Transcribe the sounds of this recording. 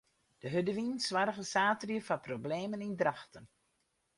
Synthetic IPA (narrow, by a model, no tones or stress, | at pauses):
d̥əɦødəʋinsʋaɾəɣəsaːtrjəfaprobleːmənindraxtən